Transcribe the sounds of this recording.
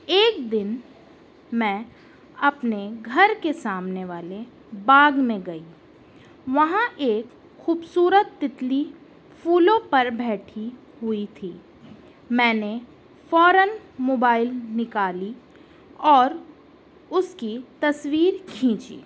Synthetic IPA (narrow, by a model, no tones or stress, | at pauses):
eːk̚d̪ɪn | mɛ̃ː | ɐpneɡʱɐɾkesaːmneʋaːle | baːɡmẽɡɐi | ʋɐɦãʔeːk | xuːbsuːɾət̪ːɪt̪li | fuːlõpɐɾbɛːʈʰi | ɦʊit̪ʰiː | mɛ̃ːne | fɔːɾənmoːbaːɪlnɪkaːli | ɔːɾ | ʊskit̪ɐswiːɾkʰĩːt͡ʃḭː